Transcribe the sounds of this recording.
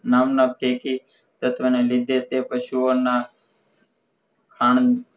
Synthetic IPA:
naːmnaʈʰeːkiː | t̪ət̪ʰʋənelɪd̪ʱeːt̪epəʃuoːna | kʰaːɳ

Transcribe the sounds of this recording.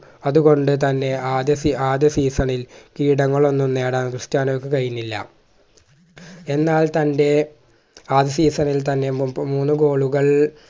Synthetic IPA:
ɐðuɣo̞ɳɖɨt̪ɐnːe̞aːd̪jɐsiaːd̪jɐsiːsɐɳilkiːɽɐŋːɐɭo̞nːumne̞ːɽaːnkrɾɨʂtjaːnokːɨkɐɻjunːilːɐ̰ | e̞nːaːlt̪ɐnde̞ | aːd̪jɐsiːsɐnilt̪ɐnːe̞muːnːuko̞ːɭuɣɐɭ

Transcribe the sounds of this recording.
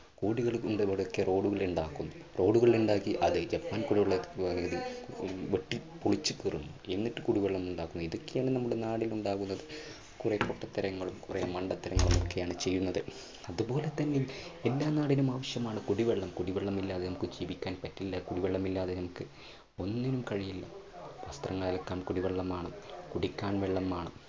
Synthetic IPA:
kuːɽiɣɐɭɳɖʋɽokːero̞ːɽuɣɐɭuɳɖaːkːunːu | ro̞ːɽuɣɐɭiluɳɖaːkːiʔɐðɨd͡ʑɐpːaːnkuɽiʋeɭːɐɐðiʋeʈːipuɭit͡ɕːɨkirunːue̞nːitːɨkuɽiʋeɭːɐmuɳɖaːkːunːuiðokːe̞jaːɳɨnɐmːuɽe̞naːɽiluɳɖaːɣunːɐðɨ | kurepoʈːɐt̪ːɐɾɐŋːɐɭumkuremɐɳɖɐt̪ːɐɾɐŋːɐɭumokːe̞jaːɳɨt͡ɕe̞jːunːɐðɨ | ɐðupo̞ːlet̪ːɐnːilelːaːnaːɽinumaːʋɐɕjɐmaːɳɨkuɽiʋeɭːɐmkuɽiʋeɭːɐmilːaːðenɐmukːɨd͡ʑiːʋikʲːaːnpɐtːilːɐkuɽiʋeɭːɐmilːaːðe̞nɐmukːɨ | o̞nːinumkɐɻijilːɐʋɐst̪rɐŋːɐɭilɐkːaːmkuɽiʋeɭːɐmaːɳɨkuɽikʲːaːnʋeɭːɐmaːɳɨ

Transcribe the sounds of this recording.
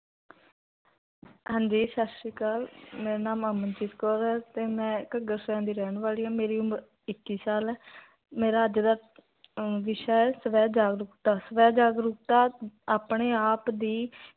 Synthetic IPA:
ɦãːnd͡ʒiːʃaːstiːkaːlmeːɾeːnaːmaːmənt͡ʃiːskɔːɾɛːt̪eːmɛ̃ːkəɡəɾsɛ̃ːnd̪iːɾɛːɳʋaːliːaːmeːɾiːʊməɾ | ɪkːiːsaːlɛː | meːɾaːəd͡ʒd̪aː | ʋɪʃaːɛːsəʋɛːd͡ʒaːɡɾʊkt̪aːsəʋɛːd͡ʒaːɡɾʊkt̪aːaːpɳeːaːpd̪iː

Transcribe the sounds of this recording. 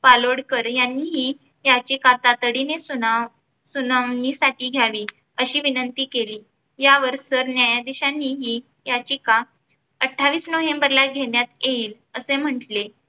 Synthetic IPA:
paloɽkəɾjanːiːɦiː | jat͡ɕiːkat̪at̪əɽinesuna | sunaʋnisaʈiːɡʱjaʋiː | əɕiːʋinənt̪iːkeliː | jaʋəɾsəɾnjajad̪iɕanːiːɦiː | jat͡ɕiːka | əʈʰːaʋiːsnoɦembəɾlaɡʱeɳjat̪jeiːl | əsem̤əʈle

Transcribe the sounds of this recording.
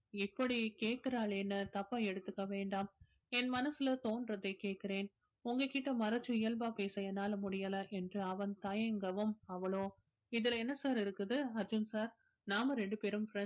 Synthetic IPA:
ɪpːɐɽikeːʈ̚kɪɾaːɭɛnːɐt̪ɐpːɐ̃ɛɽɯt̪ːɯkːɐʋeːɳɖaːm | ɛnmɐnɐsɪlɐt̪oːndrɐðɐɪkeːʈ̚kɪɾeːn | ʊŋɡɐkɪʈːɐmɐɾɐt͡ʃːɯɪjɐlbaːpeːsɐjɐnaːlmʊɽɪjɐlɐʔɛndrɯɐʋɐnt̪ɐjɐŋɡɐʋɯmɐʋɐɭoː | ɪðɪlɛnːɐsaːɾɪɾɯkːɯðɯɐɾd͡ʒɯnsaːɾ | naːmɐɾɛɳɖɯpeːɾɯmfɾɛ

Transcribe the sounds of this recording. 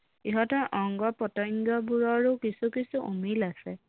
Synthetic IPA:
iɦɔtɔɹʔɔŋɡɔpɔtɔŋɡjɔbuɹɔɹukisukisuʔumilasɛ

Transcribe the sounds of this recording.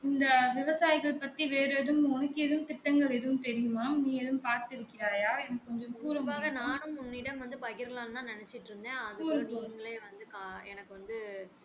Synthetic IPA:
ɪnd̪ɐʋɪʋɐsaːjɪɣɐɭpɐt̪ːiʋeːɾeːðɯmɔɳɯkːɪɛðɯmt̪ɪʈːɐŋɡɐɭɛðɯʋɯmt̪ɛɾɪjɯmaːniːɛðɯmpaːɾt̪ɪɾɯkːɪɾaːjaːɛnɐkːɯkːɔɲd͡ʒɐmpuːɾɐmaːɣɐnaːnɯmʊnːɪɽɐmʋɐnd̪ɯpɐɣɪɾɐlaːnnãːnɪnɛt͡ʃːɪʈːɾɯnd̪ẽːɐðɯːɾɐŋɡɐɭeːʋɐnd̪ɯkːɛnɐkːɯʋɐnd̪ɯ

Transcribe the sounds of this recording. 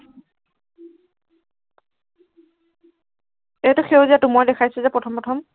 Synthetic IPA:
etʊxewziatumɔjdɛkʰajsɛzɛpɹɔtʰɔmpɹɔtʰɔm

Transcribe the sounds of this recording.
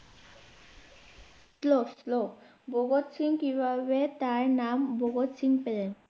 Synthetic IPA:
slɔslɔ | bɔɡɔtsiŋkibʱabɛtaɹnambɔɡɔtsiŋpɛlɛ

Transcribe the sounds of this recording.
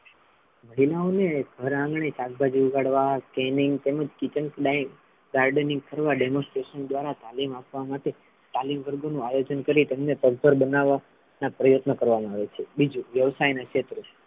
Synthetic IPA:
məɦilaoneɡʱəɾãŋɡɳet͡ʃak̚bʱad͡ʒiuɡʱaɽʋakɛniŋɡt̪eməd͡ʒkit͡ʃəŋkɖaim | ɡaɾɖənĩŋɡ̚kəɾʋaɖɛmõsʈɾeʃənd̪ʋaɾat̪alimapʋamaʈe | t̪alimʋəɾɡonũajod͡ʒənkəɾit̪emnet̪əɡ̚b̪ʱəɾbənaʋa | napɾəjot̪nəkəɾʋamãaʋet͡ʃʰebid͡ʒuʋjəʋsajnakʃet̪ɾo

